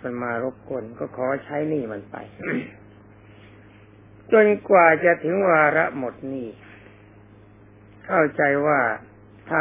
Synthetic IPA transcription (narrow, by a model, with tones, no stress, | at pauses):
ka˧nmaː˧ɾo˦˥p̚kʰo˧nkɔː˥˩kʰɔː˩˦t͡ɕʰa˦˥jniː˥˩ma˧npa̰˧j | t͡ɕo˧nkwaː˨˩t͡ɕa˨˩ʔt̪ʰɯ˩˦ŋwaː˧ɾa˦˥mo˨˩t̪̚niː˥˩ | kʰa˥˩wt͡ɕa˧jwaː˥˩ | t̪ʰaː˥˩